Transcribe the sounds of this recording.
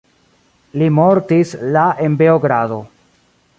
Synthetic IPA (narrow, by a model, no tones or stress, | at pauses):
limo̞ɾtislaʔenbe̞oɡɾado̞